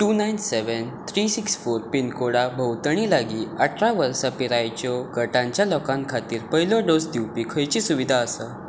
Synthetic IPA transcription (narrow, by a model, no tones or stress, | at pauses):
ʈunajnseʋən | t̪ʰɾisiksfoɾpinkoɽabʱəwt̪əɳ̃iːlaɡiːəʈʰɾaʋəɾsapiɾajt͡ɕɔɡəʈãɲt͡ɕjalɔkãŋkʰat̪iːɾpəɦilɔɖosd̪iwpikʰəjt͡ɕisuʋid̪ʱaəsə